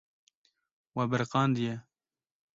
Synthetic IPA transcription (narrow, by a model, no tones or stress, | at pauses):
wabɪɾqɑːnd̪ijɛ